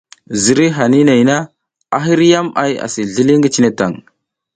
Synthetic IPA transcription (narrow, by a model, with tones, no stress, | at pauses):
zi˨ɾi˦ɦa˨ni˦na˨jna˦ | a̰˦ɦi˦ɾi˦ja˦ma̰˦ja̰˨si˨ɮi˦li˦ŋɡi˦t͡ʃi˦ne˦ta˨ŋ